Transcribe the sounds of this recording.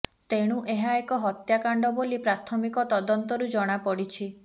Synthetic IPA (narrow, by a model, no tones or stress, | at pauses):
t̪eɽ̃uʔeɦaekɔɦɔt̪jakaɳɖɔbolipɾat̪ʰɔmikɔt̪ɔd̪ɔnt̪ɔɾud͡ʒɔɽ̃apɔɽit͡ʃʰi